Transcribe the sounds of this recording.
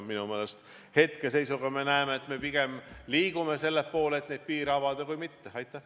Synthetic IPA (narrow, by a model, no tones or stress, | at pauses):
minume̞ːle̞st̪ | he̞t̪ke̞se̞jsuɡ̥ɑme̞næemeːt̪ːme̞piɡ̥e̞mliːɡume̞se̞lːepːo̞ːleet̪ne̞d̪̥̚piːɾɑvɑd̪ekujmit̪ːeɑjt̪ˑːæh